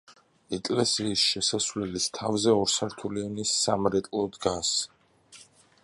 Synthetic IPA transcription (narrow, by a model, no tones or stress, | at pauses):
ɛkʼlɛsiːsʃɛsasvlɛlist̪ʰavzɛɔɾsaɾt̪ʰulivnisːamɾɛt̪ʼlˠɔd̪ɡas